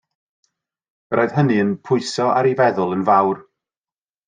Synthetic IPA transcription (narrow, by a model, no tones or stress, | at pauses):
rʔoɨðɦəniənpʰʊɨsɔa̰ɾivɛðʊlˠənvawr